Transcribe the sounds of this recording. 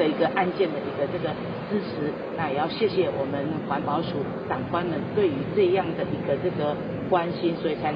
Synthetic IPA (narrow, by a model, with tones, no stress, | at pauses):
ə˨i˧˥ɡə˧ʔa˥˧nt͡ɕjɛ˥˨nd̪ə˨i˧˥ɡə˧ʈ͡ʂɤ˥˩ɡə˩ | t͡sɹ̩˥ʈ͡ʂʰɻ̩˨˧˦ | na˥˩˨jɛ˨˩jɑ˥˧ʊɕjɛ˥˩ɕjɛ˨˩wʔɔ˨˩mə˦nxwa˨˦npɑ˧˦ʊʂu˨˩ | t͡sɑ˨˩ŋkwa˦nmə˨˦nt̪we˥˩ɪy˧˥ʈ͡ʂɤ˥˧jɑ˥˩ŋd̪ə˩ʔi˧˥ɡə˧ʈ͡ʂɤ˥˩ɡə˩ | kwa˦nɕi˦nswɔ˧˥i˨t͡sʰa˧˦ɪ